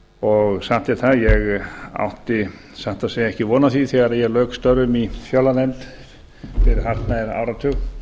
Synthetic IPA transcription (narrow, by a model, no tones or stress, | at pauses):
ɔɣsaht̪jat̪θaðjɛɣa̰wht̪ɪ | saht̪aðseːjaɛhcɪvɔːnaθiθɛɣaɾaðjɛlœːkst̪œɾʏmifjœwlːaðɛnt̪ | fɪɾɦar̥t̪naɛɾa̰ːwɾat̪ʰʏɣ